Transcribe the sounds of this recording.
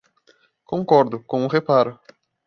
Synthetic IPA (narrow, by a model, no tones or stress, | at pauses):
kõŋkɔɾd̪ʊkõʊ̃ɦepaɾʊ